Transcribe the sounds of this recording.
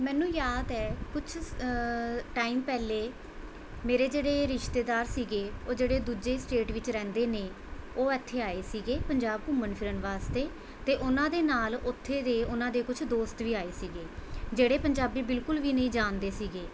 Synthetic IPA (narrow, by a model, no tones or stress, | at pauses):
mɛ̃ːnũːjaːd̪ɛːkʊt͡ʃʰ | ʈaːiːmpɛːleː | meːɾeːd͡ʒeːɽeːɾɪʃt̪eːd̪aːɾsiːɡeːoːd͡ʒeːɽeːd̪uːd͡ʒeːsʈeːʈʋɪt͡ʃɾɛ̃ːnd̪eːneː | oːɛːt̪ʰːeːaːeːsiːɡeːpəɲd͡ʒaːb̚kʊmənpʰɪɾənʋaːst̪eː | t̪eːʔʊnãːd̪eːnaːlʊt̪ʰːeːd̪eːʊnãːd̪eːkʊt͡ʃʰd̪oːst̪ʋiːaːeːsiːɡeːd͡ʒeːɽeːpəɲd͡ʒaːbiːbɪlkʊlʋiːnəĩːd͡ʒaːnd̪eːsiːɡeː